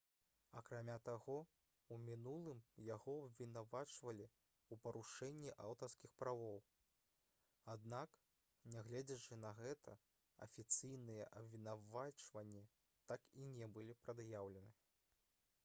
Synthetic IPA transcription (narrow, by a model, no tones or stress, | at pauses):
ɐ̰kɾamʲat̪aɣɔ | umʲinulˠɨmjaɣɔɐbvʲinavat͡ʂvɐlʲi | upɐɾuʂɛnʲːiʔawt̪ɐrskʲixpɾavɔw | ad̪nak | nʲaɣlʲɛd͡zʲɐt͡ʂɨnɐɣɛt̪ʰɐ | ɐ̰fʲit̪sɨjnɨjɛʔɐbvʲinavat͡ʂvɐnʲːi | t̪akinʲɛbɨlʲipɾɐd̪jawlʲɛnɨ